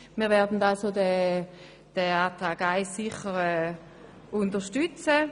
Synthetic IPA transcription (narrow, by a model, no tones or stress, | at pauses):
miːvɛɐdn̩dalsodɛ | d̥ɛaːtʁaːɡaɪssiχəʁɛː | ʊntəʃtyt͡sə